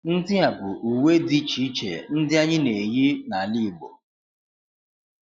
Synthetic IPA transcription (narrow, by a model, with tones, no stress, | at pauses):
n̩˦dɪ˦a˨bʊ˨ʔu˨we˦di˦t͡ʃi˦t͡ʃḛ˨n̩˦dɪ˦a˦ɲɪ˦ne˨ji˦na˨li˦˨ɡ͡bo̰˨